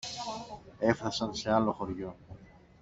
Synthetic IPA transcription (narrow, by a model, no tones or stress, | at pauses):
e̞fɾɐsɐnse̞ɐlo̞xo̞ɾʝo̞